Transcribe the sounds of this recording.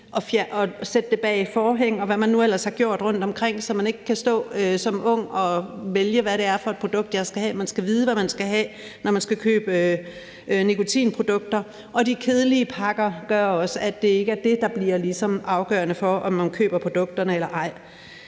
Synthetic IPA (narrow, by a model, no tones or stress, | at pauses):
ʔɒ̽fjæʔɒsed̥̚ːe̝b̥ɛ̰ːifɒːɦeŋ̰ɒ̽ʋæmænːuel̰ɐshɑ̈ɡ̥jo̝ɐ̰d̥ʁɔ̽n̰d̥ɒ̽mkʰʁeŋ̰sɒ̽mæne̝ɡ̥əkʰæsd̥ɔ̰̽ːøsɒ̽mɔ̽ŋ̰ɒ̽ʋeljəʋæɾe̝æɐfɒ̽e̝d̥̚pʰʁo̝d̥ɔ̽ɡ̥̚d̥jɑ̈ɪsɡ̥æhɛ̰ːmænsɡ̥æʋiːð̞ˠəʋæmænsɡ̥æɦɛ̰ː | nɒmænsɡ̥ækʰø̰ːb̥ə | nikʰo̝t͡sʰḭːnpʰʁo̝d̥ɔ̽ɡ̥̚d̥ɐ | ʔɒ̽d̥ikʰe̝ð̞ˠəliəpʰɑ̈ɡ̥ɐɡ̥ɶɐɒ̽səæd̥e̝e̝ɡ̥əæɐd̥e̝d̥ɑ̈b̥liɐ̰lisɒ̽mɑ̈ʊɡ̥ɶ̰ːɐnəfɒʔɒ̽mːænkʰø̰ːb̥ɐpʰʁo̝d̥ɔ̽ɡ̥̚d̥ɐnəelɐʔɑ̈ɪ̰